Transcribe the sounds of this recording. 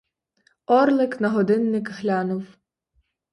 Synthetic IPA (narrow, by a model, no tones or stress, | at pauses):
ɔrlˠɪknɐɦɔd̪ɪnːɪkɦlʲanʊw